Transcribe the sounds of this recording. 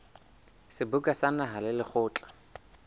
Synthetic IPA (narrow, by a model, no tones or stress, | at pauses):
sɪbʊkʼasanaɦalɪlɪχʰʊːt͡ɬʼḁ